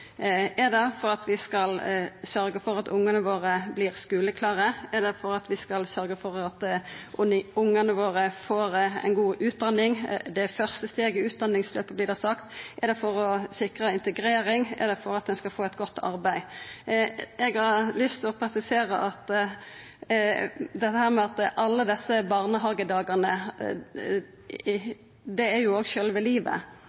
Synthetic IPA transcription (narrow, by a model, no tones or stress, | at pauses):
ɛd̪ɛfɔʁɑt̪ʋɪskɑlsœɾɡəfɔʁɑt̪ʊŋːɑnəʋoːʁəblɪːʁskʉːləkʰlɑːʁəɛd̪ɛfɔɾɑt̪ʋɪskɑlsœɾɡəfɔɾɑt̪ | ʊŋːənəʋoːʁəfoːʁɛ̰nɡuːʔʉːt̪̚d̪ɑnːɪŋd̪ɛfœʁst̪əst̪eːɡəʉːt̪̚d̪ɑnːɪŋsløːpəblɪd̪ɑsɑkt̪ʔɛɾd̪ɛfɔʁɔsɪkʁəɪnt̪əɡɾeːɾɪŋɛ̰ʁd̪ɛfɔɾɑt̪̚d̪ɛnskɑlfoːɛt̪ɡɔt̪ːɑ̰ɾbæɪ | ɛɡhɑʁlʏst̪ʰɪlɔpʰɾɛsɪseːʁəʔɑt̪ː | d̪ɛt̪ːəhæːʁmɛɑt̪ʔɑlːəd̪ɛsːəbɑːʁnəɦɑːɡəd̪ɑːɡɑʁnə | d̪ɛæɾjʊoːɡʃøːlʋɪliːʋə̰